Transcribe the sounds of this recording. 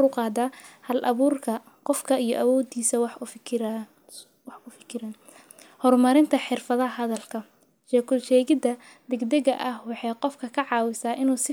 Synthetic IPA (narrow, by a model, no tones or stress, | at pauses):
ʊqɑːd̪aːhɐlʔɐ̰βuːrkʰɐ | qɔfkʰɐijɔ̰ʔɐwɔːd̪iːsɐwħfɪkʰ | wɑħʰʊfɪ̥kʰɪɾɐn | hɔrmɐɾɪnt̪ʰɐħɪrfɐðɐɦɐɦɐðɐlkʰɐ | ʃɛːkʰʊlʃɛːɣɪd̪ɐ | d̪ɛɡd̪ɛɣɐ̰ʔɐhwɑħɑjqɔfkʰɐkʰɐʕɑːwɪsaːʔɪnuːsɪ